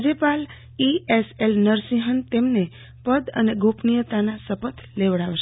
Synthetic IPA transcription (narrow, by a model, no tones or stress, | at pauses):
d͡ʒəpal | ieselnəɾsiɦənt̪emne | pəd̪ə̰neɡʱopnijət̪anasəpət̪ʰleʋɽaʋʃ